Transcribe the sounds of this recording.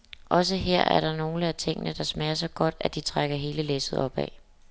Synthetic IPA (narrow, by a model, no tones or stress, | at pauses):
ʔɒ̽s̬əɦeɐ̰æɐɾ̥ɑ̈no̝ːləæt͡sʰe̝ŋ̰ənəd̥ɑ̈smɛːɐsɒɡ̥ɒ̽d̥æd̥it͡sʰʁaɡ̥ɐɦe̝ːləlesð̩ˠɒ̽b̥ɛ̰